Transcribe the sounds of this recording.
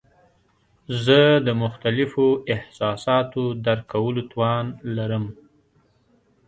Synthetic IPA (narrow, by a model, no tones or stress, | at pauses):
zəd̪əmʊxt̪alɪfoɪhsɑsɑt̪od̪aɾkawəlot̪wɑnlaɾəm